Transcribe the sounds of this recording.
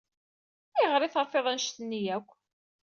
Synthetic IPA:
ɪʁɾˤiθəɾˤfeðˤænʃt̪ənːijækʷː

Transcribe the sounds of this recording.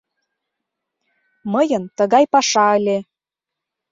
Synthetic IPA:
məjə̆nt̪əɣɑjpɑʃɑəlʲe

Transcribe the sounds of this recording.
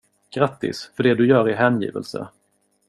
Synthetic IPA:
ɡ̥ɾat̪ːɪ̰sfœɖɛd̪ɵjœːɾɪɦɛːnjḭːvə̰lsə̰

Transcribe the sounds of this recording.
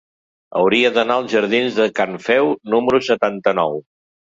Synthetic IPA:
ə̰wɾiəðənaəlˠzʒəɾðinzðəkaɱfɛwnuməɾusət̪ant̪ənɔw

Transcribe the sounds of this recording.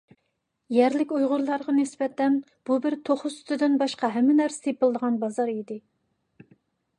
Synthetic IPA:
jɛɾlɪkʲujʁʊɾlˠɑɾʁɑnɪsbɛt̪ʰːɛn | b̥ubɪɾt̪ʰoχʊsy̥t̪ʰɪd̪ɪnbɑʃqɑɦɛmːɪnæɾsɪ̥t̪ʰepɨlˠd̪əʁɑnbɑzɑɾid̪ɪ

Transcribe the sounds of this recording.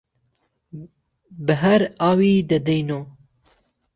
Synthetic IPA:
bɨɦɐɾaːwiːd̪ɐd̪ejnoː

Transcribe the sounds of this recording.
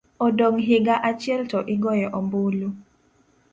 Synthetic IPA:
ɔdoŋɦɪɡaʔat͡ʃɛltɔʔiɡɔjɛʔɔmbulu

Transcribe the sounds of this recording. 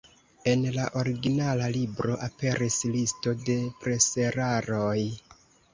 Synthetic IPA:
e̞nlaʔo̞ɾiɡinalalibɾo̞ʔape̞ɾʔislisto̞de̞pɾe̞se̞ɾaɾoj

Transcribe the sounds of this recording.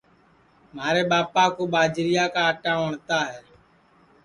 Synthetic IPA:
maːɾeːɓaːpaːkoːɓaːd͡ʒɾɪjaːkaːəʈãːʋəɳt̪aːɦɛː

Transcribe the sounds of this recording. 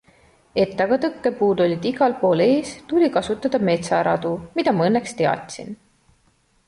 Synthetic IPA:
e̞t̪ːˑɑɡ̥ɑt̪ɤkːe̞puːd̪o̞lʲid̪̥iɡ̥ɑlpo̞ːle̞ːst̪ulʲikɑsut̪ːˑɑd̪̥ɑme̞t̪sɑɾɑd̪̥umid̪̥ɑmɑɤnːe̞kst̪eɑ̰t̪ʲsḭn

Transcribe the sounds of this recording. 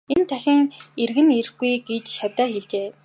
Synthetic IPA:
ent̪ʰæxʲɪ̆ŋerɣɘ̆ner̆xɡujɡet͡ɕʃat̪aːxeɮt͡ɕeː

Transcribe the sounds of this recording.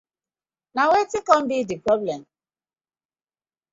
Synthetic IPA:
nawetikɔ̃m̩bidipɾɔblɛm

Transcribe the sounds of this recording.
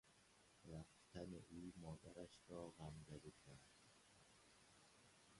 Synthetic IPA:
ɾæft̪ʰæneʔuːmɒːd̪æɾæʃɾɒːɣamzæd̪ikʰæɾd̪̥

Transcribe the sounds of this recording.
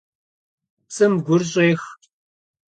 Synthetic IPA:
t͡sʼɨmɡʷʊrɕʼeːx

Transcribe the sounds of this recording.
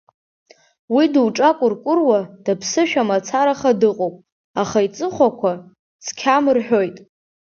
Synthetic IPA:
widwʈ͡ʂʼakʷʼʊrkʷʼʊrwad̥apʰsɨʃᶣamat͡sʰaɾaχadɨqʼowpʼ | aχait͡sʼɨχʷakʷʰa | t͡sʰkʲʰamɨrħᶣo̞jtʼ

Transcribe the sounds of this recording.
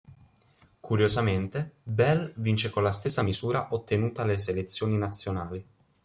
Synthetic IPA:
kuɾjozament̪ebɛlvint͡ʃekonlast̪esːamizuːɾaʔot̪ːenuːt̪ales̬elet̪sːjoːninat̪sːjonaːli

